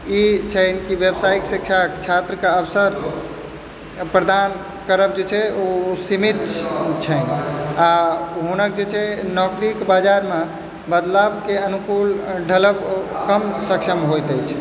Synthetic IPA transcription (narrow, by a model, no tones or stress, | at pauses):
it͡ʃʰənkibjebsaiksik̚t͡ʃʰakt͡ʃʰat̪ɾəkaəbsəɾ | pɾəd̪an | kəɾəb̚d͡ʒet͡ʃʰɛosimit̪t͡ʃʰəjnaɦunək̚d͡ʒet͡ʃʰɛnɔkɾikbad͡ʒaɾme | bəd̪labkeənukulɖʱələbkəmsəkʃəmɦojt̪əjt͡ʃʰ